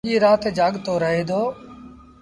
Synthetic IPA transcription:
iːɾaːt̪ed͡ʒaːɠt̪oːɾəɦeːd̪ʱoː

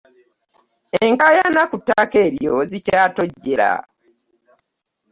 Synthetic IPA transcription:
eŋkajanakutːake̞ːɾjo̞zicaːto̞ɟːe̞ɾa̰

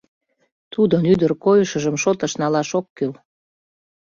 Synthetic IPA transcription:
t̪ud̪onyd̪ərkojəʃəʒəmʃot̪əʃnɑlɑʃokːøl

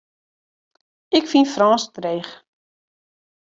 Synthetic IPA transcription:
ɪkfinfrɑːstreːχ

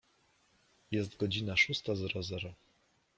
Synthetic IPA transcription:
jɛs̬t̪ɡɔd͡ʑinaʂust̪azɛɾɔzɛɾɔ

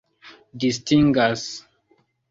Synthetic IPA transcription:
distiŋɡas

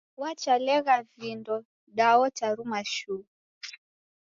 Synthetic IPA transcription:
wat͡ʃalɛɣavindɔ | ɗaɔt͡ʃaɾumaʃu

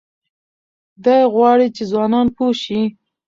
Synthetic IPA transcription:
d̪ɑjɣwɑɽit͡ʃezwɑnɑnpoʃi

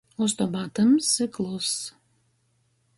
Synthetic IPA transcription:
ost̪obɑt̪əmsɨklˠos

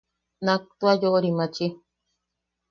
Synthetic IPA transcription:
nãkt̪uajoʔoɾimãt͡ʃi

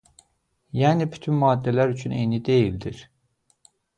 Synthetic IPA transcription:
jæːnibyt̪ʰynmɑːd̪ːælæɾyt͡ʃʰynḛjnid̪e̞jild̪iɾ̥

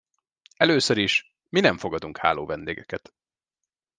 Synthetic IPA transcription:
ɛløːsøɾiʃ | minɛɱfo̞ɡɒd̪uŋkha̰ːloːvɛnd̪ḛːɡɛkɛt̪

